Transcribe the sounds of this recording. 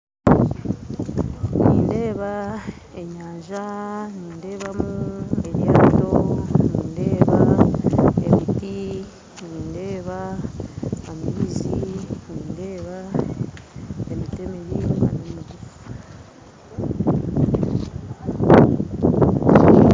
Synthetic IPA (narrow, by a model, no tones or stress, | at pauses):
niːnde̞ːβa | e̞ɲaːɲʒaniːnde̞ːβamuue̞βjaːdo̞niːnde̞ːβa | e̞̰miti | niːnde̞ːβa | amiβiziniːnde̞ːβa | emite̞mejiwa̰nomuɡuu